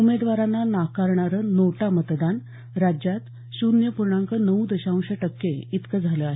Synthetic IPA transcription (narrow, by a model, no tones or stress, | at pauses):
umed̪ʋaɾanːanakaɾɳaɾənoʈamət̪d̪an | ɾad͡ʑjat̪ | ɕunjəpuɾɳaŋkənəud̪əɕãũɕəʈəkːeit̪kəd͡zʱaləaɦe